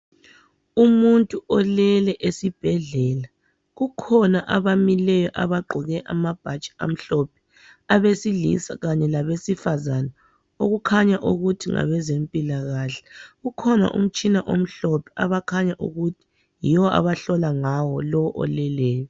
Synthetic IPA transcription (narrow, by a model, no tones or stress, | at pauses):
umuntʼuɔlɛlɛʔesib̥ʱɛɮɛːla | ɣukʰɔnaʔaβamilɛjɔʔa̰βaǃʱɔɣɛʔamab̥ʱat͡ʃʼi̥a̰m̩ɬɔpʰɛ̥ | aβesilḭsa̰ɣaɲɛlaβesifazana | oɣukʰaɲaʔuɣutʰiŋa̰βɛzempʼilaɣaːɬɛ̥ɣukʰɔna̰ʔṵm̩t͡ʃʼinaʔom̩ɬɔpʰɛaβakʰaɲaʔṵɣutʰi̥ | jiwɔa̰βaɬɔlaŋawɔlɔwɔʔɔ̰lɛlɛːjɔ